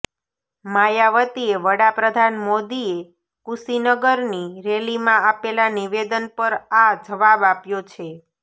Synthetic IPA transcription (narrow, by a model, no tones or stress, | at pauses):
majaʋət̪ieʋəɽapɾəd̪ʱanmod̪ie | kusinəɡəɾniɾelimãapelaniʋed̪ənpəɾad͡ʒəʋabapjot͡ʃʰe